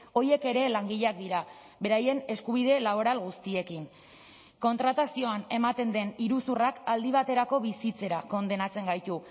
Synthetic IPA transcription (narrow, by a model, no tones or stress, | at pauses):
o̞je̞ke̞ɾe̞laŋɡiʎak̚d̪iɾa | be̞ɾaje̞ne̞skuβið̞e̞laβoɾalɣust̪ie̞kin | ko̞nt̪ɾat̪asio̞ane̞mat̪e̞nd̪e̞niɾusurakald̪iβ̞at̪e̞ɾako̞βisit͡se̞ɾako̞nd̪e̞nat͡se̞ŋɡajt̪u